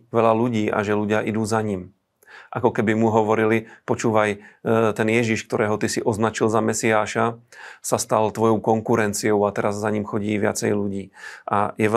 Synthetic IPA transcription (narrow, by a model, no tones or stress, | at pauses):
ʋɛlaluɟiːʔa̰ʒɛluɟɪaʔid̪uːzaɲim | ʔakɔkɛbimuɦɔʋɔɾilipɔt͡ʃuːʋajt̪ɛnjɛʒiʃkt̪ɔɾɛːɦɔt̪isiʔɔznat͡ʃilzamɛsiaːʃasast̪alt̪ʋɔjɔʊkɔŋkuɾɛnt͡siɔʊat̪ɛɾazːaɲimxɔɟiːʋɪa̰t͡sɛjluɟiːʔa̰jɛ